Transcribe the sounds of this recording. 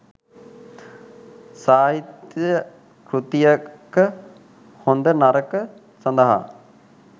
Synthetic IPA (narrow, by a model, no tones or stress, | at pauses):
saːɦit̪jə | kɾut̪ijəkːə | hond̪ənaɾəkə | sɐnd̪əɦa̰